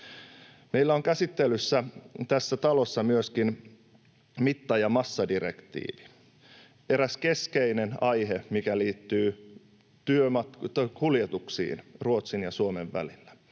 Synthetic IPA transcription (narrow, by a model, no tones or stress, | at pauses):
me̞ilːæoŋkæsit̪ːelysːæt̪æsːæt̪ɑlo̞sːɑmyøskin | mit̪ːɑjɑmɑsːɑdiɾḛkt̪ḭːʋi̥ | e̞ɾæske̞skeinenɑjɦemikæliːt̪ːyː | t̪yømɑt̪kuljet̪uksḭːnruo̞t̪sinjɑsuomeʋʋæ̰lilːæ̥